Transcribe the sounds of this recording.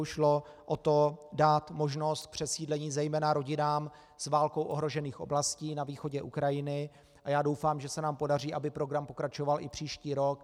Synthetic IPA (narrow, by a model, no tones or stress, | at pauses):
ʃlo | ʔot̪o̞daːt̪mo̞ʒno̞st̪̚kpr̝̥ɛsiːdlɛɲiːzɛjmɛːnaɾo̞ɟɪnaːm | zvaːlko̞wʔoɦɾo̞ʒɛniːxʔo̞̰blasciːnaviːxo̞ɟɛʔukɾajɪnɪ | ʔajaːdo̞wfaːmʒɛsɛnaːmpo̞dar̝iːʔabɪpɾo̞ɡɾampokɾat͡ʃo̞valʔɪpr̝̥iːʃciːɾo̞k